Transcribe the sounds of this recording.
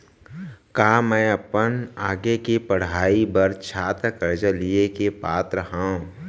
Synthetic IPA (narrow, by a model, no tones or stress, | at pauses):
kaːmɛ̃ːɐpənaːɡekipəɽ̤aːibɐɾt͡ʃʰaːt̪ɾəkəɾd͡ʒəliekepaːt̪ɾəɦãːũ